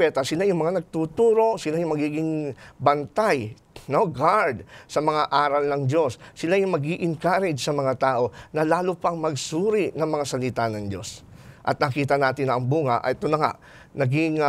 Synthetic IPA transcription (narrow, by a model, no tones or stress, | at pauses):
pɛt̪ɐsɪlajʊŋmɐŋanɐɡ̚t̪uːt̪uːɾo̞sɪlajʊŋmɐɡiːɡɪŋbɐnt̪aj | noɡaɹd̪̚sɐmɐŋaʔaːɾɐlnɐŋd͡ʒo̞sːɪlajʊŋmɐɡiʔɪŋkaːɾɪd͡ʒsɐmɐŋat̪aːʔo̞nɐlaːlʊpɐŋmɐɡsuːɾinɐŋmɐŋasɐlɪt̪anɐŋd͡ʒo̞̰sʔɐ̰t̪̚nɐkiːt̪ɐnaːt̪ɪnɐŋbuːŋɐʔɐ̰ʔɛt̪onɐŋa̰ʔ | nɐɡɪŋ